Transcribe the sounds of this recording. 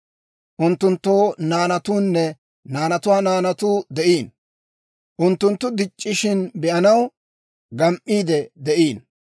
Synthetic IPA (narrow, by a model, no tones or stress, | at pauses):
ʔʊnt̪ːʊnt̪ːo̞ːnaːnɐt̪uːnːɛ | naːnɐt̪ʊwaːnaːnɐt̪uːd̪ɛʔiːn | ʔʊnt̪ːʊnt̪ːʊd̪ɪt͡ʃʼːɪʃɪnbɛʔɐnɐw | ɡɐmʔːiːd̪ɛd̪ɛʔiːn